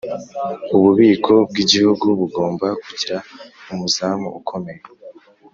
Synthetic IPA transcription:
uβuβiːkʰo̞b̚ɡiɟihuɡuβuɡo̞ːmbakuɟiɾaumuzaːmṵʔukʰo̞me̞je

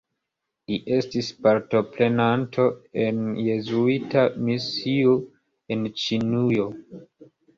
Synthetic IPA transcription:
liʔe̞stispaɾto̞pɾe̞nantʰo̞e̞nje̞zuitamisio | e̞nt͡ʃinujo

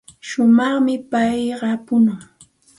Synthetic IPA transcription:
ʃʊmɑχmɪpajɢɑpʊnaŋ

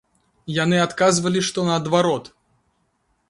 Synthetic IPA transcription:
janɨat̪kazvɐlʲiʂt̪ɔnɐːd̪vaɾɔt̪

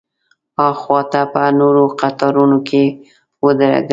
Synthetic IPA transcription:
ɑxwɑt̪apənoɾoqat̪ɑɾunokʰe | wəd̪əɾa̰ɡ

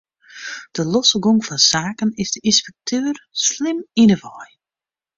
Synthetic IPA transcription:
d̥əlɔsəɡoŋfɔnsaːkənɪzdəʔinspɛk̚tʰøːrslɪminəvɔj

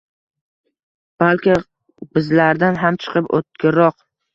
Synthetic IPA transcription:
b̥alkʲɪ | bɪzlaɾd̪anɦamt͡ʃʰɨ̥qʰɨpo̰t̪̚kʲʰɪɾɒq

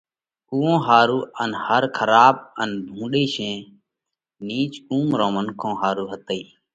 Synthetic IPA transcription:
uːõːɦaːɾuːənhəɾkʰəɾaːɓənbʱũːɗiːsẽː | niːt͡ʃuːmɾõːmənkʰõːɦaːɾuːɦət̪əiː

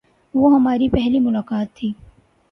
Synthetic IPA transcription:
ʋoɦɐmaːɾipɛɦlimʊlaːkaːt̪ʰːiː

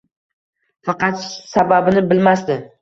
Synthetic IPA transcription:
fɑqɑt̪sababɪnɪbɪlmast̪ɪ

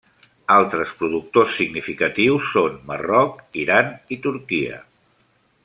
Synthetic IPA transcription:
alˠt̪ɾəspɾuðuk̚t̪osːiɡnifikət̪iwsːonmə̰rɔkiɾanit̪uɾkiə̰

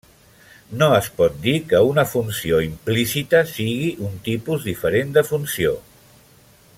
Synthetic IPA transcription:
noəspɔt̪̚d̪ikəunəfunsioimplisit̪əsiɣiʔunt̪ipuzðifəɾend̪əfunsio

